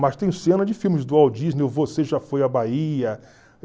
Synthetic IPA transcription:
mɐst̪ẽj̃sẽnɐd͡ʒɪfiwmɪzd̪ʊawd͡ʒiznewvoseʒafojɐbaiɐ

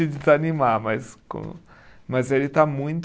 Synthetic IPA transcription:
ɪd͡ʒɪzanĩmamɐskõ̰ | mɐzelɪt̪amũj̃t̪

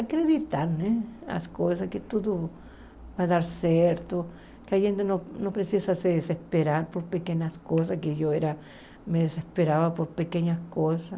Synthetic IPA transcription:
akɾeðit̪aɾnea̰skos̬aket̪uðo | baðaɾsjeɾt̪o | keaxent̪enonopɾesjisaseðesehspeɾaɾpoɾpekeɲaskos̬akeʝoeɾa | meðesespeɾaβapoɾpekeɲahkosa

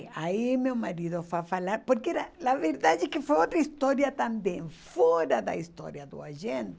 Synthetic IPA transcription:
aimewmaɾiðʊfafalaɾpoɾkɛɾanaveɾd̪ad͡ʒɪkɪfojot̪ɾɐist̪ɔɾjɐt̪ãmbẽŋfɔɾɐd̪ɐ̰ist̪ɔ̰ɾjɐd̪ʊ̰aʒẽnt̪ɪ

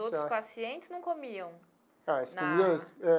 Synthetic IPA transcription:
owtɾʊspasiẽnt͡ʃɪ̥znɐ̃w̃komiɐ̃w̃ | aisnkomiɐ̃sɛ

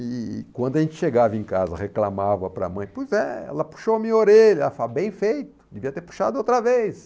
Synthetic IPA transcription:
ɪkwɐ̃nd̪ʊɐʒẽnt͡ʃɪ̥ʃeɡavɐẽkazɐ̰ʁeklamavɐpɾɐ̰mɐ̃j̃pojzɛ̰ɛ̰lɐpu̥ʃoɐmĩɲoɾeʎɐɛlɐfabẽj̃fejt̪ʊ̥d̪eviɐt̪eɾpu̥ʃa̰d̪ʊowt̪ɾɐvejs

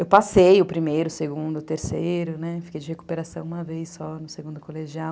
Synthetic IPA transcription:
ewwpasejʊpɾimejɾʊseɡũd̪ʊt̪eɾsejɾʊnɛfi̥kejd͡ʒɪheku̥peɾasɐ̃w̃ũmɐvejsːɔnʊseɡũnd̪ʊkoleʒiaw

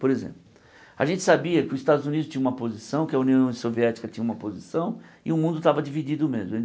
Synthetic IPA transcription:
poɾezḛ̃mplʊ | a̰ʒẽnt͡ʃɪ̥sabiɐkɪʊzist̪ad̪ʊzunidʊst͡ʃ̪ĩɲɐũmɐpozisɐ̃w̃kɪɐuniɐ̃w̃soviɛt͡ʃi̥kɐt͡ʃĩɲɐũmɐpozisɐ̃w̃ɪʊmũnd̪ʊt̪avɐd͡ʒivid͡ʒid̪ʊmezmʊ̃

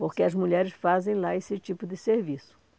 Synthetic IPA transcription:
poɾkɪɐzmuʎɛɾɪsfazẽj̃laesɪt͡ʃipʊd̪ɪseɾvisʊ̥

